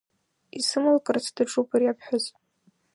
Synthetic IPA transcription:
isɨmɨlkʼɨrt͡sʰdaʈ͡ʂʰʼupʰʼɨrjapʰħʷᶣʊz

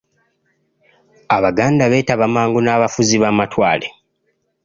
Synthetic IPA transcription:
aβaɡaːndaβe̞ːtaβamaːŋɡunaːβafuziβamatwaːle̞̰

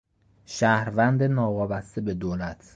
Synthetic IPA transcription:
ʃæhɾvænd̪enɒːvɒːbæst̪e̞be̞d̪oːlæt̪ʰ

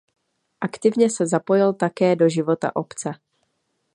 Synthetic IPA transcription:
ʔakt̪ɪvɲɛsɛzapo̞jɪlt̪akɛːdo̞ʒɪvo̞t̪a̰ʔo̞pt͡sɛ

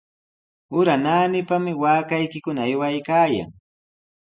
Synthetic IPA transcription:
ʊɾanaːnɪpamɪwaːkajkɪkʊnaːjwajkaːja̰ŋ

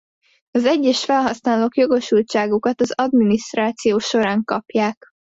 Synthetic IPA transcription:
ɒzɛɟːɛʃfɛlɦɒsnaːloːkjo̞ɡo̞ʃult͡ʃaːɡukɒt̪ɒzɒd̪miniʃt̪raːt̪sijoːʃo̞ɾaːŋkɒpjaːk

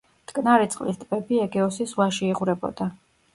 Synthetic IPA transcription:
t̪ʼkʼnaɾit̪sʼqʼlist̪ʼb̥ɛbiɛɡɛɔsisvwaʃiːʁuɾɛbɔ̰d̪̥a

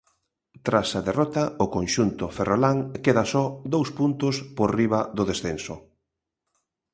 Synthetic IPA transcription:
t̪ɾasɐðerɔt̪ɐʊkonʃunt̪ʊferʔolaŋkeðasɔd̪owspunt̪ʊspoɾriβɐðʊðesθensʊ

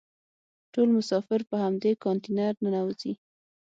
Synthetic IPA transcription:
ʈolmʊsɑfɪɾpəhamd̪ekɑnt̪inaɾnənawzi

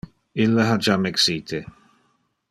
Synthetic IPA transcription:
ilːɐɦad͡ʒamɛksiːt̪ʰe

